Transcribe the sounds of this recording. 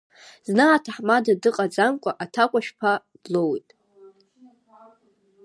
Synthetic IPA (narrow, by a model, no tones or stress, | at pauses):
znaːtʰaħmadadɨqʼad͡zamkʷʼaʔatʰakʷʼaʃᶣpʰa | b̥lowjtʼ